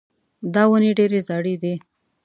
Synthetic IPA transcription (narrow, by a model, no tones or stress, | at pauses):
d̪ɑwəniɖeɾezɑɽid̪i